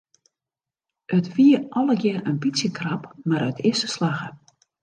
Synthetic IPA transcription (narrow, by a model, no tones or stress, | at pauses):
ʔətʋiəʔɔlˠəkjɪrənbitsjəkrapmaɾœtɪsə̥slaɣə